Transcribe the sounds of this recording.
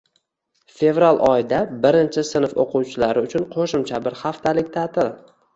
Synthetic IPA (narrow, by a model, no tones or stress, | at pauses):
fe̞vɾalˠʔɒjɪd̪abɪɾɪnt͡ʃʰɪsɪnfoqʰʊwt͡ʃʰɪlaɾɪʊt͡ʃʰʊnqʰoʃɪmt͡ʃʰabɪɾhaft̪ʰalɪk̚ʲt̪ʰat̪ʰɪl